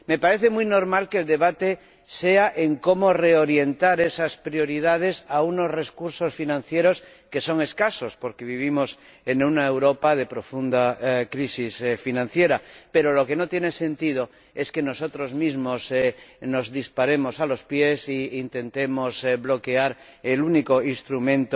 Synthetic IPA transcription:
me̞paɾeθemujnoɾmalkeld̪e̞βat̪e | seaʔeŋko̞moreoɾje̞nt̪aɾesaspɾjo̞ɾiðað̞e̞sauno̞zre̞skuɾsosfinãnθjeɾo̞s | ke̞so̞ŋe̞skaso̞spo̞ɾkeβiβ̞imos | enunaewɾopaðe̞pɾo̞fund̪akɾisisfinãnθje̞ɾape̞ɾoloke̞not̪jenese̞nt̪ið̞o | e̞ske̞no̞sot̪ɾozmizmosnozðispaɾe̞mosalo̞spjesiːnt̪e̞nt̪emosβlo̞ke̞aɾ | elunikoinst̪ɾumẽnt̪

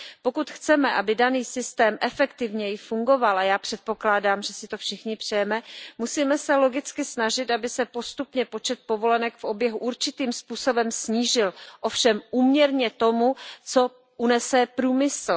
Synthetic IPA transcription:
po̞kut̪xt͡sɛmɛʔabɪdaniːsɪst̪ɛːmʔɛfɛkt̪ɪvɲɛjɪfuŋɡo̞valajaːpr̝̥ɛt̪̚po̞klaːdaːmʒɛsɪt̪o̞fʃɪxɲɪpr̝̥ɛjɛmɛmusiːmɛsɛlo̞ɡɪt͡skɪsnaʒɪt̪ʔabɪsɛpo̞st̪upɲɛpo̞t͡ʃɛt̪̚po̞vo̞lɛnɛkfʔo̞bjɛɦuʔuɾt͡ʃɪt̪iːmspuːso̞bɛmsɲiːʒɪlʔofʃɛmʔuːmɲɛɾɲɛt̪o̞mut͡so̞ | ʔunɛsɛpɾuːmɪsl̩

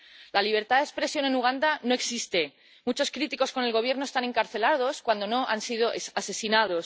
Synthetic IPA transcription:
laliβ̞e̞ɾt̪aðespɾe̞sjo̞ne̞nuɣ̞and̪ano̞eksist̪e̞ | mut͡ʃo̞skɾit̪iko̞sko̞ne̞lɣ̞o̞βje̞ɾnoest̪aneŋkaɾθe̞lað̞o̞skwand̪o̞no̞ʔansið̞o̞ʔesase̞sinaðo̞s

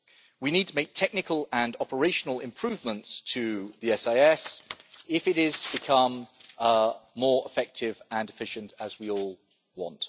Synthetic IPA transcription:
winiːd̚tʰəmeɪk̚tʰɛk̚nɪkʰəlˠə̃nɒpəɹeɪʃənəlɪ̰̃mpʰɹ̥ʉːvmə̃ntstʰəðiɛsaɪɛsɪfɪɾɪz̥b̥ɪkʰʌ̃m | ɔːɹɪ̰fɛk̚tʰɪvə̃nɪfɪʃə̃ntəzwiɔːlˠ | wɒ̰̃nt

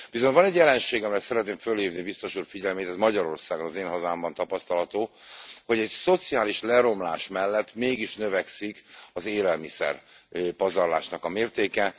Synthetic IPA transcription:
b̥izoɲt̪vɒnɛɟjɛlɛnʃeːɡɒmɛjɛt̪sɛɾɛt̪neːmkfølheːvnibist̪o̞ʃuːrfiɟɛlmeːt̪ɛzmɒɟɒɾo̞rsaːɡo̞nɒzeːnɦɒzaːmbɒnt̪ɒpɒst̪ɒlɦɒt̪oː | ho̞ɟɛcso̞t̪siaːliʃlɛɾo̞mla̰ːʃmɛlːɛt̪ːmeːɡiʃnøvɛksikɒzeːlɛlmisɛ̰rpɒzɒrla̰ːʃnɒkɒmeːrt̪eːkɛ

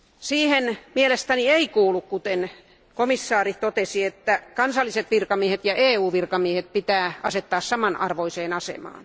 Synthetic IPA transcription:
siːhenmielest̪ænieikuːlukkut̪en | komisːɑːrit̪ot̪esiet̪ːækɑnsɑlːˑiset̪ʋirkɑmiehet̪jɑʔeːuːʋirkɑmiehet̪̚pit̪æːɑset̪ːɑːssɑmɑnɑ̰rʋoiseːnɑsḛmɑ̰ːn

